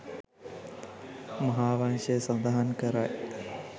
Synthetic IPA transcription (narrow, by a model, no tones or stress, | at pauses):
mɐɦaːʋaŋʃəjəsɐnd̪aɦankəɾaj